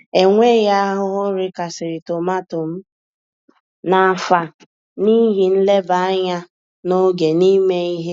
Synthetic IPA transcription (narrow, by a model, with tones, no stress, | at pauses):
e˨ŋʷe˦ɣa˦a˦ɦʊ˦ɦʊ˦ɾɪ˦ka˨sɪ˨ɾɪ˨to˨ma˦tʊ˨m̩˦ | na˨fa˨ | ni˦ɦi˨n̩˦le˦ba˨a˦ɲa˦ | no˦ɡe˨ni˦me˦i˦ɦe˦